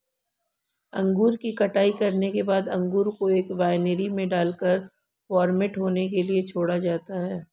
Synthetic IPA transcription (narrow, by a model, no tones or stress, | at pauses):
ɐ̃ŋɡuːɾkikɐʈaːikɐɾnekebaːd̪ɐ̃ŋɡuːɾkoeːkbaːɪneɾimẽɖaːlkəɾ | fɔːɾmeːʈɦoːnekeliet͡ʃʰoːɽad͡ʒaːt̪aɦɛː